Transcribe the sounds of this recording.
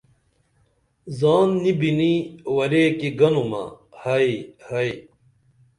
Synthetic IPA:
zaːnːibiniwɐɾekiɡɐnumɐ̰ | hɐihɐi

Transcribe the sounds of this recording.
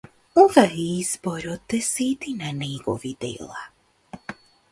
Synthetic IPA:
uvaɦizbɔɾɔt̪ːɛsiːt̪inaniɡɔ̰vid̪ḛla̰

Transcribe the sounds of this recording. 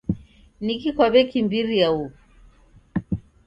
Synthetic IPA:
nikikwaβɛkimbiɾiau

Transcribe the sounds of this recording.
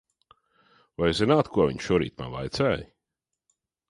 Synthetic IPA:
vajzinaːt̪kʰuɔvʲḭɲʃuɔɾḭːt̪ma̰nvˠa̰jt̪sɛːj

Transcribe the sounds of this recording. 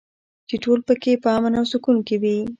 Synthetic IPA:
t͡ʃeʈolpəkepəɑmanawsukunkewi

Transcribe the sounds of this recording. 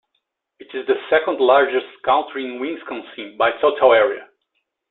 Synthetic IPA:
ɨtɪzðəsɛkə̃ndlaɹd͡ʒɨstkʰãʊ̃ntʰɹiɪ̃nwɪ̃ŋskʰɔ̃nsĩnbajtʰotʰəlɛɹiɨ̰

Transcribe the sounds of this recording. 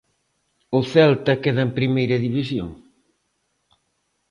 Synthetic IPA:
ʊθɛlt̪ɐkeðɐempɾimejɾɐðiβisjo̰ŋ

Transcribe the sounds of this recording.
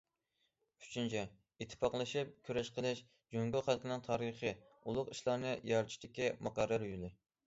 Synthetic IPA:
y̥t͡ʃʰynt͡ʃʰɛ | it̪ʰːɪ̥pɑqlˠɨʃip̚kʲʰyɾɛʃqʰəlˠɨʃ | d͡ʒøŋɡʲylχælˠkʰɪnɨŋt̪ʰɑːɾɨχɨ | ulˠʊqiʃlˠɑɾnɨjɑɾt̪ʰʃt̪ɪkʲimɑqɑɾːɑɾjylˠɪ

